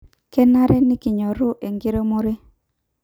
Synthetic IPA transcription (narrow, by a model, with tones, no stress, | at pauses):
kɛ˦na˦ɾɛ˦nɪ˦kɪ˨ɲɔ˨ɾʊ˦ʔe˨ŋɡɪ˦ɾo˦mo˦ɾe˦